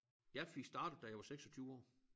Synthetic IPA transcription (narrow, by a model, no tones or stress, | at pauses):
jæfiɡ̥sd̥ɑ̈ːɾ̥əð̩ˠd̥æjɑɪʋɑ̈seɡ̥sɒ̽t͡sʰyːʊɒ̰ː